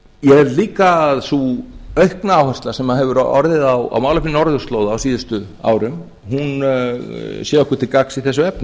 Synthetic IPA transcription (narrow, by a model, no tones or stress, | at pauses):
jɛɛɾliːkaðsuœɥhknaaːwhɛ̥st̪lḁsɛmaðhɛvʏɾɔ̰ɾðɪðawa̰wmaːwlafinɔɾðʏɾ̥st̪loːwðaːwsiːðʏst̪ʏ | a̰ːwɾʏm | hun | sjɛɔhkʏ̥t̪ʰɪlkaksiθɛsːʏɛpnʏ